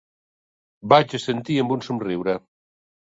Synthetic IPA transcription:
bat͡ʃəsent̪iəmbunsumriwɾə

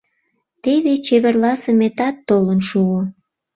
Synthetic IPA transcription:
t̪eβet͡ɕeβerlɑsəmet̪ɑt̪ːolənʃuo

